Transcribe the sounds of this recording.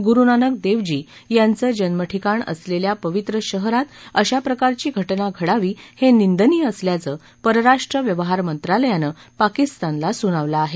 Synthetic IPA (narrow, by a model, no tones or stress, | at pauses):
ɡuɾunanək̚d̪eʋd͡ʑiː | jant͡səːd͡ʑənməʈʰikaɳə̰sleljapəʋit̪ɾəɕəɦɾat̪əɕapɾəkaɾt͡ɕiːɡʱəʈnaɡʱəɽaʋiːhenind̪əniːəsljat͡səː | pəɾɾaʂʈɾəʋjəʋəɦaɾmənt̪ɾaləjanəpakist̪anlasuɽ̃aʋlaːɦe